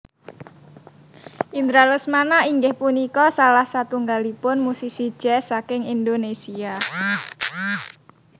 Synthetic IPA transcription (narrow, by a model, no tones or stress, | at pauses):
ʔind̪ɾalʊsmanaiŋɡɪhpunikɔsalahsat̪uŋɡalipʊnmusisi̥ʒ̥ɛsakɪŋind̪onesia